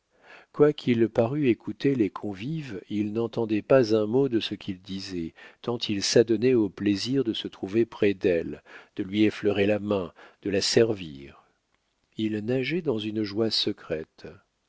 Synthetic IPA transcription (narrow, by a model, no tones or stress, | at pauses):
kwakʲʰilpaʁyekʰut̪elekʰɔ̃vivilnɑ̃t̪ɑ̃d̪ɛpazɛ̃mod̪əsəkʰʲild̪izɛt̪ɑ̃t̪ʰilsad̪ɔnɛopleziʁd̪əsət̪χuvepχɛd̪ɛld̪̥əlɥiefløʁelamɛ̃d̪̥əlasɛʁvḭːʁ | ilnaʒɛd̪ɑ̃zynəʒwasəkχɛt̪